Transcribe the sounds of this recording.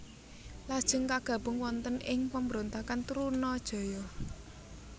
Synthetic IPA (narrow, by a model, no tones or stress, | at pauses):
lad̥ʒ̥ʊ̤ŋkaɡ̥ä̤b̥ʊ̤ŋwɔnt̪ənɪŋpambɾont̪akant̪uɾunɔd̥ʒ̥ɔ̤jɔ